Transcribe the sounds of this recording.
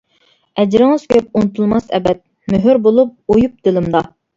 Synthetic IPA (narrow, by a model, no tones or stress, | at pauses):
ɛd͡ʒɾɪŋɨz̥kʲʰøp̚unɨt̪ʰulˠmɑsɛ̰bɛt̪̚ | møɦyɾbolˠup̚ojup̚d̪̥ɪlɪmd̪ɑ